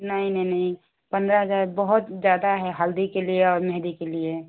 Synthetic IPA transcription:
nəinənəi | pə̃nd̪ɾəɦəd͡ʒaɾbəɦut̪d͡ʒjad̪aɦɛɦəld̪ikelieɔːɾmeɦd̪ikelie

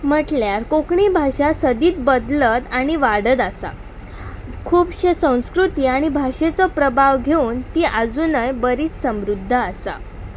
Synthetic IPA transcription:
m̤əʈljaɾkokɳibʱaɕasəd̪iːt̪̚bəd̪ləd̪aɽ̃iʋaɽəd̪asa̰ | kʰuːbɕesə̃w̃skɾut̪iːaɽ̃ibʱaɕet͡sɔpɾəbʱaʋɡʱeuːnt̪iːʔad͡zunəjbəɾiːt͡ssəmɾud̪ʱːəːsa̰

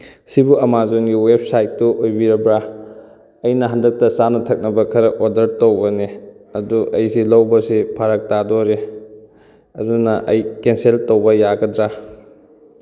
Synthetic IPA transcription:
sibuɐmazoŋɡiweb̚sajtːuʔojbiɾɐbɾa | ɐjnɐɦandɐk̚tɐsanɐtʰɐk̚nɐbɐkʰɐɾɐodɐɾtowbɐneɐduʔɐjsilɐwbɐsipʰaɾɐk̚tadoɾe | ɐdunɐʔɐjkenseltowbɐjaɡɐdɾa

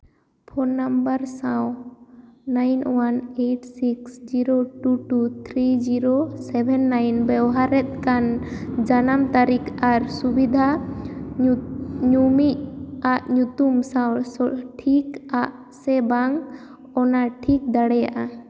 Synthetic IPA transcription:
pʰɔnːambaɾsãw | najnwaneʈsiksd͡ʒiɾoʈuʈut̪ʰɾid͡ʒiɾosɛbʱɛnːajnbɛwɦaɾɛt̪̚kand͡ʒanamt̪aɾikʰaɾsubid̪ʱa | ɲumiʔaʔɲut̪umsãwsɔʈʰikaʔ | sɛbaŋ | ɔnaʈʰik̚d̪aɽɛja̰ʔa

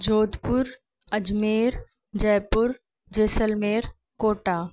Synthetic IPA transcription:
d͡ʒoːd̪pʊɾ | ɐd͡ʒmeːɾ | d͡ʒɛːpʊɾ | d͡ʒeːsəlmeːɾ | koːʈaː

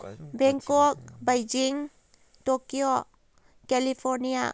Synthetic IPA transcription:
bɛŋkɔk̚bajd͡ʒiŋ | tokio | kɛlipʰɔɾnia̰

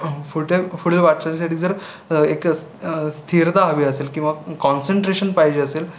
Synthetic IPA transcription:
fuʈefuɭʋaʈt͡ɕat͡ɕasaʈiːd͡zəɾ | eks | st̪ʰiɾd̪aɦəʋiːəseːlkĩʋakɔnseɳʈɾeɕənpajd͡ʑeəseːl

